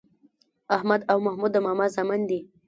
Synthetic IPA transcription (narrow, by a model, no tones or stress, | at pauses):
ahmad̪awmahmud̪ːəmamazamand̪i